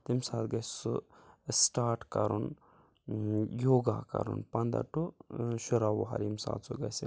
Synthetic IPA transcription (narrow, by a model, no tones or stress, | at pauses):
t̪imsaːt̪ɡɐssusʈaːɾʈkɐɾun | joːɡakɐ̰ɾṵnpɐnd̪ɐ̰ʈuʃuɾawṵɦɐ̰ɾimsa̰ːt̪suɡɐsḭ